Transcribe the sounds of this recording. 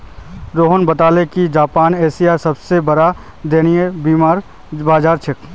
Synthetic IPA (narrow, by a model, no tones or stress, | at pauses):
ɾoːɦənbɐt̪aːlekid͡ʒaːpaːneːsijasɐbsebɐɾa | d̪eːnijebiːmaːɾ | baːd͡ʒaːɾt͡ʃʰɪk